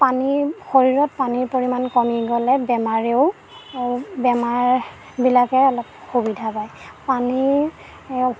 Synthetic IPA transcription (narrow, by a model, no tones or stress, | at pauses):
panixoɹiɹɔt̚paniɹpoɹimankɔmiɡɔlɛbɛmaɹeʊ | bɛmaɹ | bilakɛɔlɔp̚xubidʱapajpani